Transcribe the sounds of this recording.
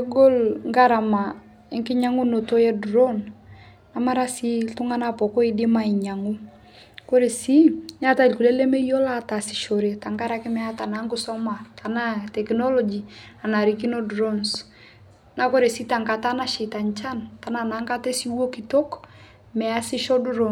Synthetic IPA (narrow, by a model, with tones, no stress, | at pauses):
eɡo˦lŋɡa˦ɾa˨ma˨ | ɪ˦ŋkɪ˦ɲa˦ŋu˦no˨to˦jɛ˦dɾo˦n | na˨ma˦ɾa˦si˦tʊ˦ŋa˦na˦pɔ˨ko˦i˦dɪ˦ma˦i˨ɲa˨ŋu˦ | ko˦ɾe˨si˦ɲa˦ta˦ilku˨le˦le˦me˦jo˦la˦ta˨si̥˨ʃo˨ɾe˨ta˨ŋɡa˦ɾa˦kɪ˦mɛ˦a˦ta˨na˨˦ŋkʊ˦sɔ˦ma˨ta˨na˦tɛ˨knɔ˦lɔ˦d͡ʒi˨ | a˨na˨ɾi˨ki˦no˦dɾo˦ns | na˦ko˦ɾe˨si˦ta˨ŋka˨ta˦na˦ʃi˨ta˨nt͡ʃa˦nta˨na˨na˨˦ŋka˦te˦si˦wo˦ki˨to˦k | mɛ˨a˦sɪ˦ʃɔ˦dɾo˨